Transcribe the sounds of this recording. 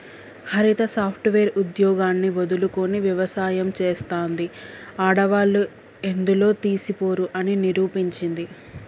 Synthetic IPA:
hɐɾit̪ɐsaːpʰʈʋeːɾud̪jɔːɡaːnːiʋod̪uluko̞niʋjɐʋɐsaːjɐmt͡ʃeːst̪aːnd̪iaːɽɐʋaːlːu | e̞nd̪ulo̞ːt̪iːsipo̞ːɾuʔɐniniɾuːpiɲt͡ʃind̪i

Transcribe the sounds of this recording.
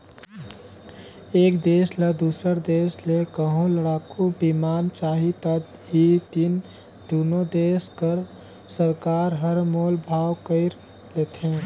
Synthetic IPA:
eːkd̪eːsled̪usəɾd̪eːslekəɦũləɽaːkubimaːnt͡ʃaːɦit̪ət̪ | ɦit̪in | d̪unod̪eːskəɾ | səɾkaːɾɦəɾmoːlbʱaːwkəɪɾ | let̪ɦẽ

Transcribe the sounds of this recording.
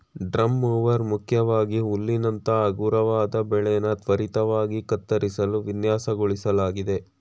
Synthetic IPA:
ɖɾɐmːuːʋɐɾmukʰjɐʋaːɡiulːinɐnt̪ɐːɡuːɾɐʋaːd̪ɐbɛɭɛjɐnɐt̪ʋɐɾit̪ɐʋaːɡikɐt̪ːɐɾisɐluʋinjaːsɐɡoɭisɐlaːɡid̪e̞

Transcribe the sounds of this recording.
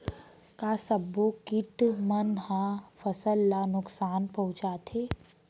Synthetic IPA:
kasɐbːokɪʈmənɦãfɐsəlːanʊksaːnpɐɦʊ̃t͡ʃaːt̪ʰeː

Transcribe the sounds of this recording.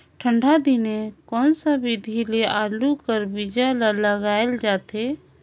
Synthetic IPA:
ʈʰə̃ɳɖʱad̪ɪnekɔːnsabɪd̪ʱileaːlukəɾbɪd͡ʒalaləɡaːeld͡ʒaːt̪eː

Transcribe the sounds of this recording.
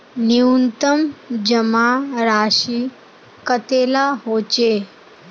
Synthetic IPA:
niunt̪əmd͡ʑəmaɾaɕi | kət̪elaɦot͡ɕe

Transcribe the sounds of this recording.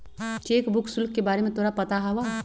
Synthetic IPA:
t͡ʃeːkbʊksʊlkːebaːɾemẽt̪ʰoːɾapɐt̪aɦɐʋa

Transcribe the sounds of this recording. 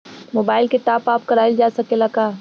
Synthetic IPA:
moːbaːɪlkeʈaːpaːp̚kɐɾaːild͡ʒaːsɐkelɐkaː

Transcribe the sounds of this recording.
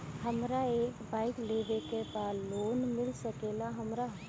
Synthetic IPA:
hɐmɾaeːkbaːɪkleːʋekepaːsloːnmɪlsɐkeːlaɦɐmɾa

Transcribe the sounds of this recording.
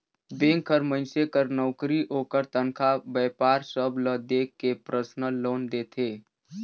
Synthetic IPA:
beːŋkʰːəɾmə̃nsekəɾnɔʊkɾiʔoːkəɾt̪ənkʰabɛːpaːɾsəbʱləd̪eːkːepɾʔəsnəloːnd̪eːt̪ʰeː

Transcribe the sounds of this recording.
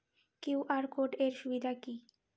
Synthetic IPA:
kiwʔaɾkoʈeɾʃubid̪ʱaki

